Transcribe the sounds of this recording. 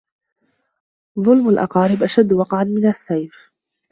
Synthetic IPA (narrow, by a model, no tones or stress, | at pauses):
ðˤʊlmalʔɑ̰qɑːɾɪbʔaʃad̪ːwɑqʕanmɪnasːajf